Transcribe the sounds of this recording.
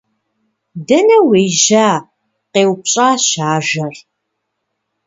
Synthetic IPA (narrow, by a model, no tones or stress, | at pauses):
dɐnɐweːʒaː | qeːwpɕʼaːɕaːʒɐr